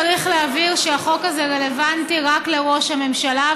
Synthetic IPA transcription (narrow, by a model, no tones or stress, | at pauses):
ʁiχleaviʁʃeaχo̞kazeʁe̞levantiʁakle̞ʁo̞ʃhame̞mʃala